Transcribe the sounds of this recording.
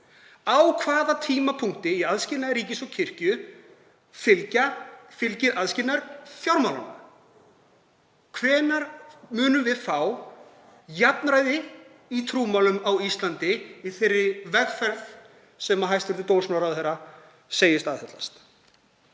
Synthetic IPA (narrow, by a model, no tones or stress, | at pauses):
awkʰvaːðat̪ʰiːmapʰuŋ̥t̪ɪiaðscɪlnaɾiːcɪsɔɣcʰɪr̥cʏ | fɪlcafɪlcɪðʔaðscɪlnaɾ̥θjawɾmawlana | kʰvɛːnaɾmʏːnʏmvɪðfaw | japnɾaːjðɪ | it̪ʰɾuːmawlʏmawist̪lant̪ɪiθɪrːɪvɛɣfɛɾθ | sɛmaɦajst̪vʏɾðɪt̪oːwnsmawɾaðhɛrːa | seːjɪst̪aðɛtlast̪